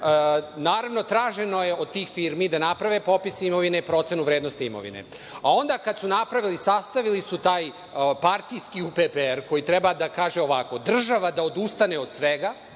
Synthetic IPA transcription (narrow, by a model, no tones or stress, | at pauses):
ənaːɾaʋno̞t̪ɾaːʒeno̞je̞od̪̚t̪iːxfiɾmid̪anapɾaʋepo̞pisimo̞ʋinepɾo̞t̪senuʋɾed̪no̞st̪iimo̞̰ʋḭnḛ | ao̞nd̪akad̪sunapɾaʋilisast̪aʋilisut̪aːj | paɾt̪ijskiupepeeɾko̞jit̪ɾɛbad̪akaːʒeo̞ʋako̞d̪r̩ʒaʋad̪aod̪ust̪aneod̪sʋeɡa